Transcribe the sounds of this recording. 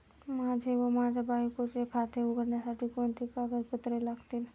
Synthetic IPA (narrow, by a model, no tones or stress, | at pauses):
mãːd͡ʒʱeʋomãːd͡ʒabaːjikot͡ʃekʰaːt̪ʰeʊɡəɾnasaʈʰikont̪ʰikaɡəɾpʊt̪ɾelakt̪in